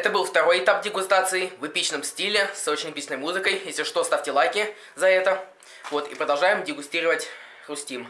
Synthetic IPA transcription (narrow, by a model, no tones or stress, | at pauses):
ɛt̪əbɨlˠft̪ɐɾo̞jɪt̪ap̚dʲɪɡʊst̪at̪sɨɪvɨpʲit͡ɕnəmsʲtʲilʲɪsot͡ɕɪnʲɪpʲisʲnəjmuzɨkəjjesʲɪʂt̪ost̪afʲtʲɪlˠajkʲɪ | zɐɛt̪ə | vo̞t̪ḭpɾəd̪ɐlˠʐajɪmdʲɪɡʊsʲtʲiɾəvətʲ | rʊsʲtʲim